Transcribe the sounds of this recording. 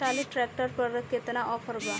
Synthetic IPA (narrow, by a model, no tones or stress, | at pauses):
ʈaliʈɾɛk̚ʈəɾpəɾəket̪naʔɔfəɾba